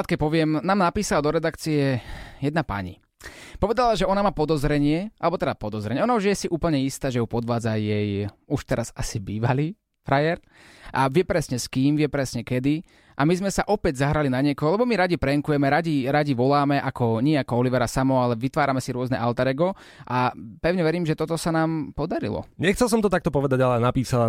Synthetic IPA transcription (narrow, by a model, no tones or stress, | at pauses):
at̪̚kɛc̚pɔʋɪɛmnaːmnapiːsalad̪ɔɾɛd̪akt͡siɛjɛd̪̚napa̰ɲḭ | pɔʋɛd̪alaʒɛɔnamaːpɔd̪ɔzɾɛɲɪɛʔalɛbɔt̪ɛd̪apɔd̪ɔzɾɛɲɛɔnauʒjɛsiʔuːpl̩ɲɛist̪aːʒɛjupɔd̪ʋaːd͡zajɛjuʃt̪ɛɾazasibiːʋaliː | fɾajɛɾ | ʔaʋɪɛpɾɛsɲɛskiːmʋɪɛpɾɛsɲɛkɛd̪i | ʔamizmɛsaʔɔpɛɟzaɦɾalinaɲɪɛkɔɦɔlɛbɔmiɾaɟipɾɛŋkujɛmɛɾaɟiɾaɟiʋɔlaːmɛʔakɔɲɪɛakɔɔliʋɛɾasamɔalɛʋit̪ʋaːɾamɛsiɾʊɔznɛ̰ʔalt̪aɾɛɡɔ | ʔapɛʊɲɛʋɛɾiːmʒɛt̪ɔt̪ɔsanaːmpɔd̪aɾḭlɔ̰ɲɛxt͡sɛlˠs̬ɔmt̪ɔt̪ak̚t̪ɔpɔʋɛd̪aɟalɛnapiːsala